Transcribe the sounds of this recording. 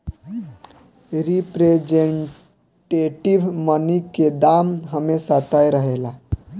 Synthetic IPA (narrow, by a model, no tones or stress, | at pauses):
ɾipɾed͡ʒeɳ | ʈeʈiʋməniked̪amɦəmesat̪ajɾəɦela